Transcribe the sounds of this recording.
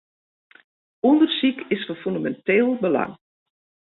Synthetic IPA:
undərsikɪsfɔnfyndamɛnteːlˠbəla̰ŋ

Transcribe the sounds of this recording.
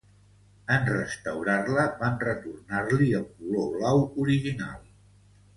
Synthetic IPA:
ənrəst̪əwɾarləβanrət̪urnarliəlˠkuloβlawuɾiʒina̰lˠ

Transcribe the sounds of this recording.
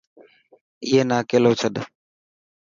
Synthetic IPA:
iːɦeːnaːkeːloːt͡ʃʰəɗ̪

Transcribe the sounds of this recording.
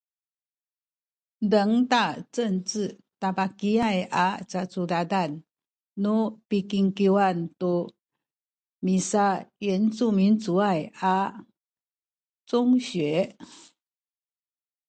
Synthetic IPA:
dəŋt̪at͡səŋt͡s̩ | t̪apakiajʔat͡sat͡sudad̪anː | upikiŋkiwant̪u | misajɛnt͡sumint͡suaja | t͡sʊŋɕɥe

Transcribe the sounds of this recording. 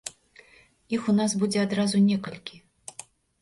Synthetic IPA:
ixunasbud͡zʲɛad̪ɾazunʲɛkɐlʲkʲi

